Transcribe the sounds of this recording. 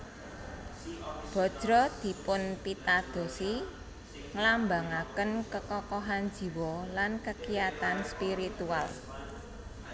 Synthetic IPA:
b̥ɔ̤̥d̥ɾɔd̪̥i̤pʊnpit̪ad̪̥o̤si | ŋlambaŋakənkəkɔkɔɦan̥d͡ʒ̥i̤wɔlankəkijat̪anspiɾit̪ual

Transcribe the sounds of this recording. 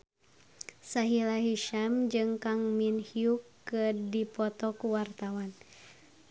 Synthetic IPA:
saɦilaɦiʃamd͡ʒɨŋkaŋminhiukːədipɔt̪ɔkuwart̪awan

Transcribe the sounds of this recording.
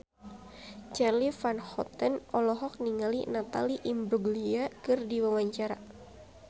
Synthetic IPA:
t͡ʃɛrlifanhɔ̰t̪ənɔlɔɦɔk̚niŋalḭnat̪a̰liʔimbɾuɡliakɨrdiwawaɲt͡ʃaɾa

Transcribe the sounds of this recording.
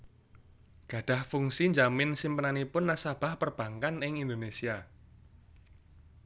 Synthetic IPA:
ɡ̥ä̤ɖ̥a̤hfuŋsiɲd͡ʒamɪnsimpənanipʊnːasab̥ä̤hpərb̥ä̤ŋkanɪŋind̪onesia

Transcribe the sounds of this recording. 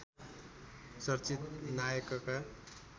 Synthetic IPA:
sʌɾt͡sit̪najʌkʌka

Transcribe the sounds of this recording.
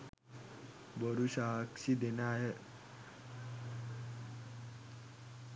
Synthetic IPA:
bəɾuɕaɦkɕiːd̪enaaɦe

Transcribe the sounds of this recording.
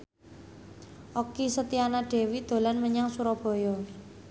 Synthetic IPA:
ʔokisət̪ianaɖ̥ɛ̤wid̪̥o̤lanməɲaŋsuɾɔb̥ɔ̤jɔ

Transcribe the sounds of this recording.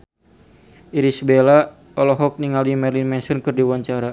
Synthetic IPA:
iɾisbela | ɔlɔɦɔk̚niŋalimɛrlinmɛnsɔnkɨrdiwaɲt͡ʃaɾa

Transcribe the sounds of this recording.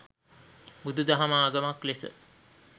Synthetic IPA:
bud̪ud̪ɐɦamaːɡəmaklesə̰

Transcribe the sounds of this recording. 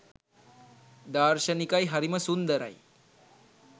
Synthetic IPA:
d̪aːrʃənikajɦaɾiməsund̪əɾa̰j

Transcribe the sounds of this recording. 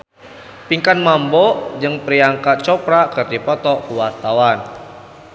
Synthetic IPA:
piŋkanmambɔd͡ʒɨŋpɾiaŋkat͡ʃɔpɾakɨrd̪ipɔt̪ɔkuwart̪awan

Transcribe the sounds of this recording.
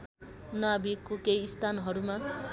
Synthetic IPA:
nʌabikːokejːst̪ʰanɦʌɾuma

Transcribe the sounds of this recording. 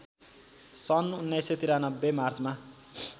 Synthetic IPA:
sʌnunːeset̪iɾanʌbːemard͡zma

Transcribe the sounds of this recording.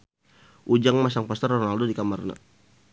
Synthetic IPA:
ʔud͡ʒaŋmas̬aŋpɔst̪ərɔnaldodikamarna̰

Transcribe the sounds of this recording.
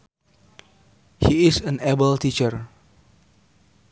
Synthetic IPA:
hiɪsə̃nɛbəltit͡ʃəɹ

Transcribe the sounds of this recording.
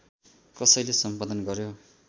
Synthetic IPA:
kʌsʌjlesʌmpad̪ʌnɡʌɾjo

